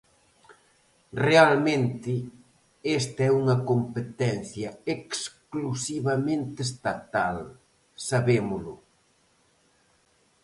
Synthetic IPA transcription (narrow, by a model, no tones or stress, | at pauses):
realmẽnt̪ɪ | est̪ɛuŋɐkompet̪ɛn̟θjɐeksklusiβɐmẽnt̪ɪst̪at̪al | saβemʊlʊ̰